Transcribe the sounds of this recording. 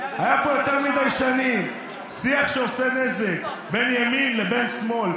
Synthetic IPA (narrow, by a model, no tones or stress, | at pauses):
hajapojo̞t̪eʁmid̪ajʃanim | siaχʃeosenezek | be̞njaminlebe̞nsmo̞l